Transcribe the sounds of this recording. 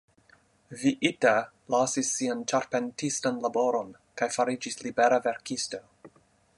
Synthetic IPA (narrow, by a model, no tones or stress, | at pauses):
viʔita | lasisːiant͡ʃaɾpentistanlaboɾon | kajfaɾid͡ʒislibeɾaveɾkisto